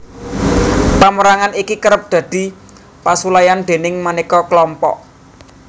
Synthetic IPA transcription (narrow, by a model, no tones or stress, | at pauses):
paməɾaŋanikikəɾəp̚d̪̥ä̤d̪̥i̤ | pasulajand̪̥e̤nɪŋmanikɔklɔmpɔ̰ʔ